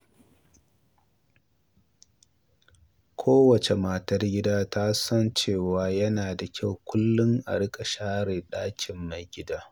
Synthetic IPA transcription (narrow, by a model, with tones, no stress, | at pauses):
kʷʰoː˦wɐ˨t͡ʃe˨maː˦˨tɐ˦rɡʲɪ˦daː˦ta˦sɐ˦nt͡ʃeː˦˨waː˦jɐ˦naː˨da˨kʲa˦˨wkʷʊ˦lːʊ˦ŋʔa̰˨ɽɪ˦kʼa˨ʃaː˦ɽeː˨ɗaː˦kʲʰɪ˨mːa˨jɡʲɪ˦daː˦